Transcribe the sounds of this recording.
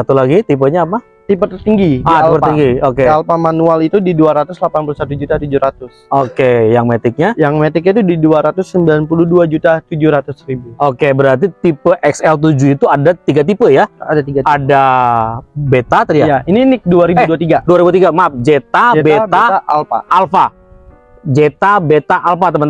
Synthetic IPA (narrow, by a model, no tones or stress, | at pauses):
sat̪ulaɡit̪ip̬əɲaːpa | t̪ip̬ət̪ərt̪iŋɡidaiipəiŋɡiokealpamanualit̪udiduaɾat̪ʊslapanpulusat̪ud͡ʒut̪at̪ud͡ʒuɾat̪ʊsokejaŋmet̪ɪk̚ɲajaŋmet̪ɪk̬̚ɲait̪̬udiduaɾat̪ʊsːəmbilanpuluduad͡ʒut̪at̪ud͡ʒuɾat̪ʊsɾibuokebəɾart̪̬it̪ipəʔɛksɛlt̪̬ud͡ʒuit̪uadat̪iɡat̪̬ipəjaadat̪iɡaada | bet̪at̪ədiaaininɪk̚duaɾibuɛduat̪iɡaduaɾibut̪iɡamap̚d͡ʒet̪abet̪aaalfa̰ːlfa | d͡ʒet̪abet̪aʔalfat̪əmən